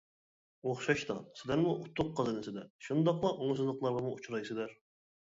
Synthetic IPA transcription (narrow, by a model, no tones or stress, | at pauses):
oχʃɑʃt̪ɑ̰sɪlæɾmuʔut̪ʰːʊqːɑzɨnɪsɪd̪ɛʃund̪ɑqlˠɑʔoŋsɨzlˠəqlˠɑɾʁɑmuut͡ʃʰɾɑjsɪd̪æɾ